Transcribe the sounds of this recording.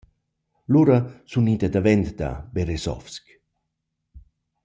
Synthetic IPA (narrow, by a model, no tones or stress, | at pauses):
luɾasunid̪ad̪avɛnd̪d̪a̰beɾesɔ̰fsk